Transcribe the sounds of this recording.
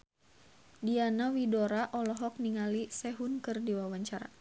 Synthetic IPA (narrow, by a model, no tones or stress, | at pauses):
dianawidɔɾaʔɔlɔɦɔk̚niŋalisɛɦunkɨrdiwawaɲt͡ʃaɾa̰